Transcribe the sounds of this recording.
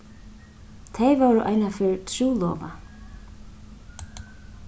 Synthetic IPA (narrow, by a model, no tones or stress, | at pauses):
t̪ʰejvoːɾʏʔa̰jnafɪɾt̪ʰɾuːlɔ̰ːva̰